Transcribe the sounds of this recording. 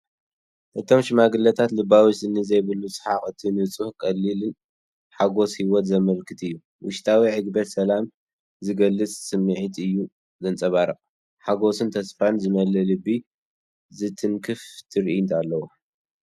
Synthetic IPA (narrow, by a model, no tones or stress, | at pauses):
ʔɨt̪ʰo̞mʃɪmaɡɨlːɐt̪ʰat̪lɨbawissɨnːɨzɐjβɨlːut͡sʼɨħaχʼɨt̪ʰinɨt͡sʼuhkʼɐlːilɨn | ħaɡo̞shiwɔt̪zɐmɐlkʰɨt̪ɨjːu | wʊʃt̪ʰawiʕɨɡbɐt̪sɐlam | zɨɡɐlːɨt͡sʼsɨmːɨʕit̪ʰɨjːu | zɐnt͡sʼɐβaɾɐχʼ | ħaɡo̞sɨnt̪ʰɐsfɾanzɨmɐlɐlɨbːi | zɨt̪ʰɨŋkʰɨft̪ʰɨɾint̪ʰalːɐwo